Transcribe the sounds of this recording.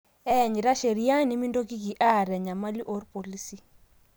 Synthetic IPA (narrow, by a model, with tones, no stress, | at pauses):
ɛ˦˨ɲi˨ɾa˦ʃe˨ɾi˦a˦ni˦mi˦ndo˦ki˦ki˨ʔa˦˨ɾɛ˨ɲa˨ma˦li˦ʔɔ˦ɾpo˨li˦si˦